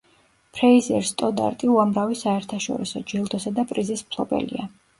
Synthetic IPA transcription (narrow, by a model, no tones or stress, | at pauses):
pʰɾaizɛ̰ɾst̪ʼɔd̪a̰ɾt̪ʼiuamɾavisaɛɾt̪ʰaʃɔ̰ɾisɔd͡ʒɛlˠd̪ɔsad̪apʼɾizismpʰlˠɔbɛ̰lḭa